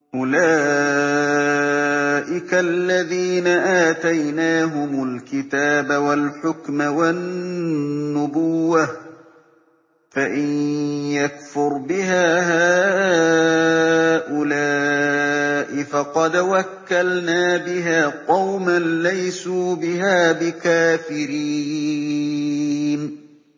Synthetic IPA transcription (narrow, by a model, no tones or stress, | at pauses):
ʔʊlaː | ʔɪkalːaðiːnaʔaːt̪ajnaːɦʊmʊlkɪt̪aːbawalħʊkmawanː | ʊbʊwːa | faʔɪnjakfʊɾbɪɦaːhaː | ʔʊlaː | ʔɪfɑqɑd̪wakːalnaːbɪɦaːqɑwmanlajsuːbɪɦaːbɪkaːfɪɾiː | n